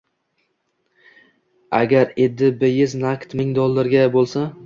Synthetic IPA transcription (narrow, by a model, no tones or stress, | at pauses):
a̰ɡʲaɾed̪ːɪbɪjɪznakt̪mɪŋd̪ɒlˠːaɾɡʲabolˠsa